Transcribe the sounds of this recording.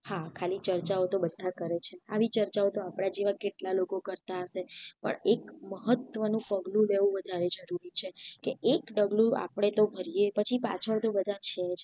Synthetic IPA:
hakʰalit͡ʃəɾt͡ʃaot̪obəd̪ʱːakəɾet͡ʃʰeaʋit͡ʃəɾt͡ʃaot̪oapɽ̃ad͡ʒeʋakeʈlalokokəɾt̪aəʃepə̰ɳekməɦət̪ʋənũpəɡlũleʋũʋəd̪ʱaɾed͡ʒəɾuɾit͡ʃʰekeʔekɖəɡlũa̰pəɽ̃et̪obʱəɾijepət͡ʃʰipa̰t͡ʃʰəɭt̪obəd̪ʱat͡ʃʰed͡ʒ

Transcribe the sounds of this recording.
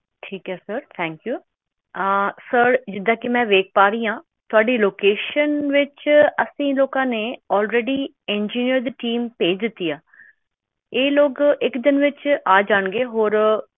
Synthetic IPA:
ʈʰiːkɦɛːsəɾt̪ʰɛ̃ːŋkjuː | səɾd͡ʒɪd̪ãːkimɛ̃ːʋeːk̚paːɾiːãː | t̪ʊaːɖiloːkeːʃənʋɪt͡ʃəsĩːloːkãːneɔːlɾeːɖi | ẽnd͡ʒiːnijəɾd̪ʈiːmpeːd̪ɪt̪ːijaː | eːloːɡɪkd̪ɪnʋɪt͡ʃaːd͡ʒaːɳɡeːɦoːɾ

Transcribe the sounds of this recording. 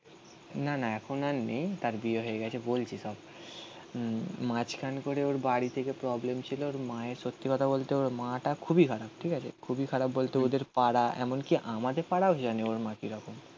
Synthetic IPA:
nanaɛkʰonaɾnejt̪aɾbieɦoeɡɛt͡ɕʰebolt͡ɕʰiʃɔb | mãt͡ɕkʰankoɾeoɾbaɽit̪ʰekepɾɔblemt͡ɕʰilooɾmaeʃot̪ːikɔt̪ʰabolt̪eoɾmãʈakʰubikʰaɾab̚ʈʰikat͡ɕʰḛkʰubikʰaɾabːolt̪eod̪eɾpaɽaʔɛ̰monkiʔamad̪eɾpaɽaod͡ʑaneoɾmãkiɾɔkom

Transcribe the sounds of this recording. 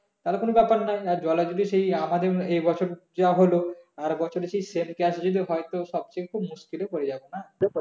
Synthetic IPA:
t̪aɦlekonobɛpaɾnajaɾd͡ʑɔlad͡ʑod̪iʃejamad̪eejbɔt͡ɕʰoɾd͡ʑaɦoloaɾbɔt͡ɕʰoɾeʃejsemkɛʃd͡ʑod̪iɦɔet̪oʃɔb̚t͡ɕekkʰubmuskilekoɾed͡ʑabona

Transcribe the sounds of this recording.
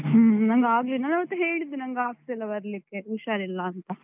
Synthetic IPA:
nɐŋɡaːɡlinaːnɐʋɐt̪ːuɦeːɭid̪ːinɐŋɡaːɡ̚t̪ilːɐbɐɾlikːe̞uʃaːɾilːɐːnt̪ɐ

